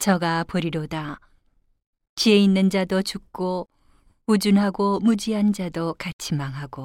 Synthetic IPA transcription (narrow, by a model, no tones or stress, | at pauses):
t͡ɕʌɡapʌɾiɾoda | t͡ɕie̞inːɯnd͡ʑadot͡ɕuk̚k͈o | ud͡ʑunɦaɡomud͡ʑiɦand͡ʑadokat͡ɕʰimaŋɦaɡo